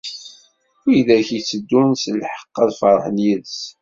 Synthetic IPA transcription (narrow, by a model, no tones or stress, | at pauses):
iðæçit͡sːəd̪ːunsəlħə̥qːɑðfəɾˤħənjiðs